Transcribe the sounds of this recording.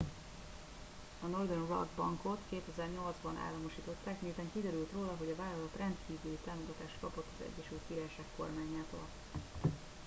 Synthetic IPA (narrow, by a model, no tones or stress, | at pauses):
ɒnord̪onrɒ̰ɡbɒŋko̞t̪keːt̪ɛzɛrɲo̞ld̪zbɒnʔa̰ːlːɒmoʃiːt̪o̞t̪ːaːkmeːt̪ɛŋkid̪ɛɾylt̪roːlɒɦo̞ɟɒvaːlɒlɒt̪rɛnt̪kiːvylit̪aːmoɡɒt̪aːʃt̪kɒpo̞t̪ːɒzɛ̰ɟːɛʃylt̪̚kiɾaːjʃaːkko̞̰rmaːɲaːt̪o̰ːl